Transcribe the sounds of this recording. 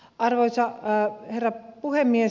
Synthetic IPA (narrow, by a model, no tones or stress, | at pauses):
ʔɑrʋoisɑherːɑpuhemːie